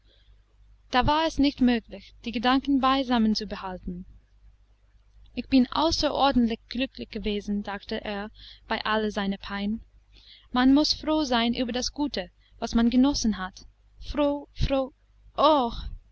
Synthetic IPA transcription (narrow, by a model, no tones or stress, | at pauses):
d̥aːvaːɛsnɪçtmøːklɪçd̥iːɡədaŋkn̩baɪzamənt͡subəhaltn̩ | ʔɪçb̥ɪnʔa̰ʊsɐʔɔɐdn̩tlɪçɡ̥lʏklɪçɡ̥əveːzn̩zaːktəʔeːɐb̥aɪʔaləzaɪnəpʰaɪn | manmʊsfʁoːzaɪnʔy̰ːbɐdasɡ̥uːtə | vasmanɡənɔsn̩ɦat | fʁoːfʁoː | ʔox